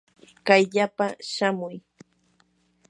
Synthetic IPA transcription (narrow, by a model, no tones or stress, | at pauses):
kajʎapaʃamʊj